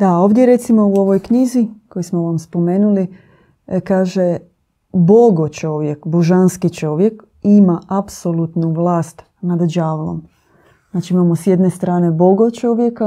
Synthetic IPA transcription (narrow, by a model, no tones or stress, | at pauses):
d̪ao̞ːʋd̪ʲje̞ɾe̞t̪simo̞uo̞ʋo̞jkɲiziko̞jismo̞ʋamspo̞me̞ːnuli | kaːʒe | bo̞ɡot͡ʃo̞ʋje̞kboʒanskit͡ʃo̞ʋje̞k | imaʔapsolˠut̪nuʋlaːst̪ | nad̪ʒaːʋlˠo̰m | znaːt͡ʃiimamosje̞d̪ne̞st̪ɾaːne̞bo̞ɡot͡ʃo̞ʋjeka